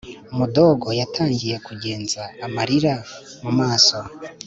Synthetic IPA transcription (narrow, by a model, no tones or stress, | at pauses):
umudo̞ːɡo̞jatʰaːɲɟije̞kuɟe̞ːnzaːmaɾiɾamumaːso̞